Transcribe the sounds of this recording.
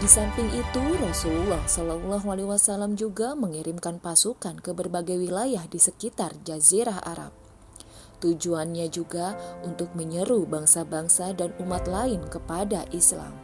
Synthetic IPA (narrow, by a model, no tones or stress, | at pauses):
disampɪŋʔit̪urɔsullɔhsalalɔɦwaliwasalamd͡ʒuɡaməŋiɾɪmkanpasukankəbərbaɡajwilajahdisəkit̪ard͡ʒaziɾaɦa̰ɾa̰p̚ | t̪ud͡ʒuanɲad͡ʒuɡaunt̪ʊk̚məɲəɾubaŋsabaŋsadanumat̪laɪnkəpadaʔisla̰m